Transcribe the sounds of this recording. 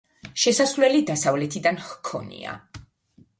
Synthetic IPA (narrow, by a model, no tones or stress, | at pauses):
ʃɛsasvlɛlid̪asavlɛt̪ʰid̪anhkʰɔ̰nḭa̰